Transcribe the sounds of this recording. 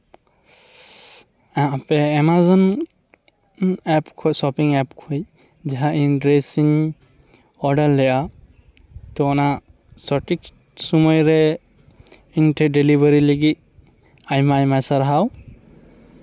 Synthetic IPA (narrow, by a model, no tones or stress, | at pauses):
apɛːmazɔn | ɛpkʰɔjsɔpiŋɛpkʰuj | ziɦaindɹesiŋ | ɔɖallɛja | tɔɔna | sɔʈik̚ | sɔmɔjɾɛ | intadelibaɾiliɡit̪̚ | ajmajmasaɾɦaw